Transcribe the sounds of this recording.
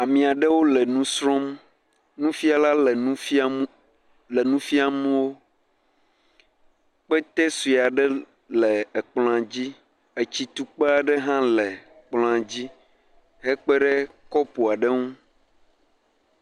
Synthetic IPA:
a˨mĩ˨a˨ɖɛ˦wo˦lɛ˨nũ˦sɾɔ̃˦m | nũ˦fi˦a˨la˦lɛ˨nũ˦i˦ | lɛ˨nũ˦fi˦a˨mũ˦wo˦ | k͡pɛ˦t̪ɛ˦swi˨a˨ɖɛ˦ | lɛ˨e˨k͡plɔ̃˨ã˨d͡ʑi˦ | e˨t͡ɕi˨t̪u˨k͡pe˦a˨ɖɛ˦ɦã˦lɛ˨ | k͡plɔ̃˦a˨d͡ʑi˦ | ɦɛ˦k͡pɛ˦ɖɛ˦kɔ˦po˨a˨ɖɛ˦ŋũ˦

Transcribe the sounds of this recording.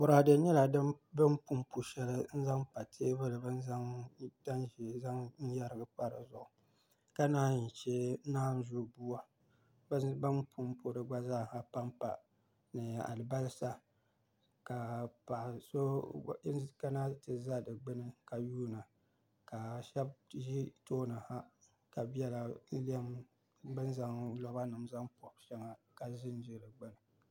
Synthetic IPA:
bʊ˨ɾa˨dɨ˨˦ɲɛ˦la˨dɨ˦ | bɨ˦mpu˦mpu˨ʃɛ˦lɨ˦n̩˦za˦ŋpa˨tʰe˦bɨ˦lɨ˨bɨ˦n˦a˦da˦nʒi˨za˦ŋn̩˦ja˦ɾɨ˦ɡɨ˨k͡pa˦ɾɨ˨zʊ˨ʔʊ˨ | ka˦naː˦ɲi˨t͡ʃe˦naː˦ʒʊ˦bu˦a˦ | bbɨ˦npʰu˦m˦pʰu˨˦ɾɨ˨ɡ͡ba˦zaː˦˨ha˨pa˦mpa̰˨ | nɨ˨a̰˨lɨ˨ba˦lsa˦ | ka˨pa˨ʔso˦ | ka˦na˦tɨ˨za˦dɨ˨ɡ͡bɨ˦nɨ˦ka˨juː˦na˨ | ka˨ʃɛ˦bʒi˦toː˦na˨ha˦ | ka˨bɛ˦la˨˦li˦ɛ˦m | bɨ˦n˦za˨ŋlɔ˦ba˦nɨ˨mza˦ŋpɔ˨bʃɛ˦ŋa˨ka˨zɪ˦n˦d͡ʒɪ˦˨dɨ˨ɡ͡bɨ˦nɨ˨

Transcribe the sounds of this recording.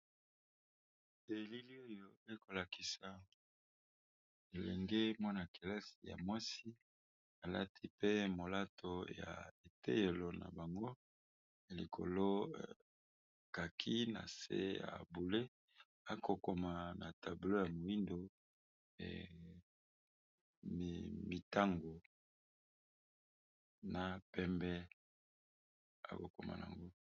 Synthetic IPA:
e˨li˦li˦o˦jo˦e˦ko˨la˨ki˨sa˨ | e˨lɛ˨ŋɡe˦mwa˦na˨ke˨la˦si̥˨ja̰˨mwa˦si˦ | a˨la˦tʰi˦pe˦mo˨la˦tʰo˨ja̰˨e˨tḛ˦je˨lo˨na̰˨ba˨ŋɡo˦˨ | li˨kʰo̰˨lo˦˨ | ka˨kʰi˦na̰˨sḛ˦ja̰˨bu˨le˦ | a˨ko˨ko˨ma˨na˨ta˨bu˨lo˦ja˨mo˨i˦ndo̰˨ | m˨mi˨ta˦ŋɡo˨ | na˨pɛ˦mbɛ˦ | a̰˨ko˨ko̰˨ma̰˨n˨a̰˨ŋɡo˦

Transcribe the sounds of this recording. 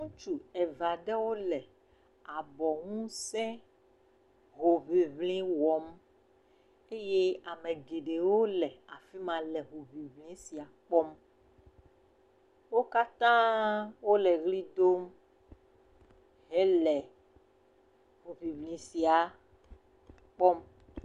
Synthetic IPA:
ŋũ˦t͡ʃu˨ɛ˨va˨ɖɛ˦wo˦lɛ˨ | a˨bɔ˨ŋũ˦sɛ̃˦ | ɦo˨vi˨vlĩ˦wɔ˨m | e˦je˦a˨mẽ˨ɡe˨ɖe˨wo˦lɛ˨a˨fi˦mã˨lɛ˨ɦo˨vi˨vlĩ˦si˨a˨k͡pɔ˦m | wo˦ka˦t̪ã˦wo˦lɛ˨ɣli˦d̪o˦m | ɦe˦lɛ˨ | ɦo˨vi˨vlĩ˨si˨a˨ | k͡pɔ˦m

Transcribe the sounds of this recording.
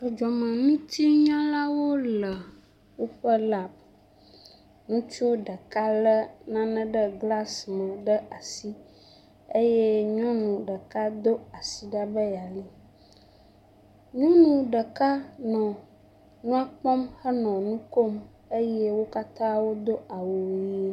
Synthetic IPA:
ə˨d͡ʒɔ˨mə̃˨nũ˦t̪i˦ɲã˦la˦wo˦lə˨ | wo˦ɸə˦la˦˨b̚ | nũ˦t͡ʃu˦ɖə˨ka˦lə˦nã˦nə̃˦ɖə˦ɡla˦smə̃˨ɖə˦ʔa˨si˦ | e˦je˦ɲɔ̃˦nũ˨ɖə˨ka˦d̪o˦a˨si˨ɖa˦bə˦ja˨li˦ | ɲɔ̃˦nũ˨ɖə˨ka˦nɔ̃˨ | nũ˦a˦k͡pɔ˦mhə˦nɔ̃˨nũ˦ko˦m | e˦je˦wo˦ka˦t̪ã˦wo˦d̪o˦a˨wo˨wji˦

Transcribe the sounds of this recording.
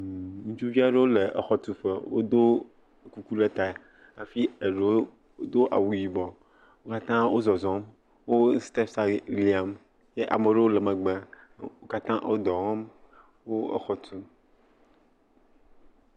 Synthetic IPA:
ŋũ˦t͡ʃu˦vi˦a˦ɖe˦wo˦le˨e˨xɔ˨t̪u˦ɸe˦wo̰˦d̪o˦˨ | ku˦ku˦le˦t̪a˨ | a˨fi˦e˨ɖe˨˦o˦ | o˦d̪o˦ʔa̰˨wu˨ji˨bɔ˨ | wo˦ka˦t̪ã˦wo˦zɔ˨zɔ̃˨˦m | wo˦st̪e˦fsa˦li˨˦a˨m | je˦ʔa̰˨me˨ɖe˦wo˦le˨mə̃˨ɡ͡bẽ˨a˨ | wo˦ka˦t̪ã˦wʔo̰˦d̪ɔ˨ɣɔ̃˦m | wo˦ḛ˨xɔ˨t̪u˦

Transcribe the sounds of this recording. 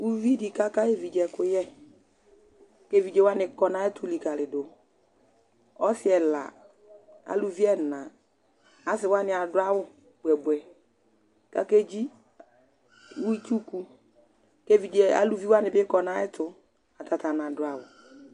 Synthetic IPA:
u˦vi˦di˨ka˦ka˦e˦vi˨d͡ʒɛ˨kʊ˦jɛ˦ | ke˦˨vi˨d͡ʒe˨˦wa˦nɪ˨kɔ˨na˦ɛ˦tʊ˨li˨ka˨lɪ˨dʊ˨ | ɔ˦sɪ˦ɛ˨la̰˨ | a̰˨lu˨vi˦ɛ˦˨na˨ | a˨s̬ɪ˨wa˦nɪ˨a˨dʊ˦a˦wʊ˦ | b̥wɛ˨bɛ˨ | ka˦ke˦d͡ʒi˦ | wu˦i˦tu˦ku˦ | ke˦vi˨d͡ʒɛ˨a̰˨lu˨vi˦wa˦nɪ˨bɪ˦kɔ˨na˦ɛ˦tʊ˨ | a˨ta˨ta˨na˨dʊ˦a˨wʊ˨

